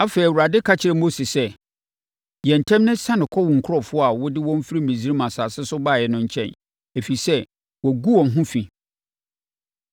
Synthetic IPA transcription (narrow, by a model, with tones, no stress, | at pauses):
a˦fe˨ɾi˨u˨ɾa˨dɪ˦kʰa˦t͡ɕʰɪ˨ɾɛ˦mo˦si˨sɛ˦ | jɛ̃˨n̩˨tʰɛ̃˦mnɪ̃˦sã˦nɪ̃˨kʰɔ˦wʊ̃˨ŋ̩˨kʰʊ˦ɔ˨fʊ˦a˨wʊ˦dɪ˦wɔ̃˦m˦fi˦ɾi˦˨mẽ˨zi˦ɾi˦mã˨saː˨sɪ˦sʊ˦baː˦˨jɛ˨nʊ̃˦ɲ̩˦t͡ɕʰɛ̃˦n | e˨fi˨i˨sɛ˦ | wɔ˨ɡu˦wɔ̃˨mɦʊ̃˦fĩ˨